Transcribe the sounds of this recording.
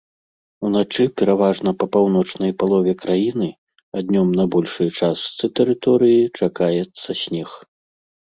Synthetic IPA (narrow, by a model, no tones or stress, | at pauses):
unat͡ʂɨpʲɛɾavaʐnɐpɐpawnɔt͡ʂnɐjpalˠɔvʲɛkɾajinɨ | ad̪ʲnʲɔmnɐbɔlʲʂɨt͡ʂast̪sɨt̪ɛɾɨt̪ɔɾɨjit͡ʂakajɛt̪sːɐsʲnʲɛx